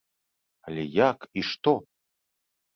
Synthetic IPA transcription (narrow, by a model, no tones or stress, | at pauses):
alʲɛjakiʂt̪ɔ